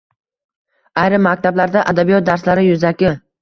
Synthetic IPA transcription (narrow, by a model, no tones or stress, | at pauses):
ajɾɪmːak̚ʲt̪ʰablaɾd̪aʔad̪abijɒt̪̚d̪aɾslaɾɪjʊzakʲɪ